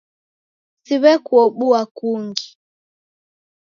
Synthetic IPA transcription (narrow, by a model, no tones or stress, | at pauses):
siβɛkuɔɓuakuŋɡi